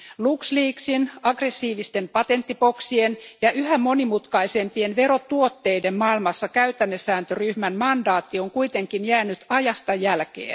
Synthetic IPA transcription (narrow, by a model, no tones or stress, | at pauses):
luksliːksinɑɡre̞sːiːʋist̪e̞mpɑt̪e̞nt̪ːipo̞ksienjɑʔyhæmo̞nimut̪kɑise̞mpienʋe̞ɾo̞t̪uo̞t̪ːe̞ide̞mmɑilmɑsːɑkæyt̪ænːesːæːnt̪øryhmænmɑndɑːt̪ːioŋkuit̪e̞ŋkinjæːnyt̪ɑjɑst̪ɑjælkḛːn